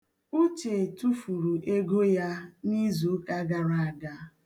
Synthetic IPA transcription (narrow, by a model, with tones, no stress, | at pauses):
u˦t͡ʃe˨tu˦fu˨ɾu˨ʔe˦ɡo˦ja˦ni˦zo˨˦ka˦ɡa˦ɾa˨a˨ɡa˦